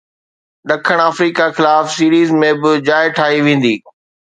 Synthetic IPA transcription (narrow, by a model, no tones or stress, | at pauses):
ɗɐkʰəɽ̃aːfɾiːkaxɪlaːfsiːɾiːzmẽbɪd͡ʑaːɪʈʰaːɦiʋẽːn̆d̪iː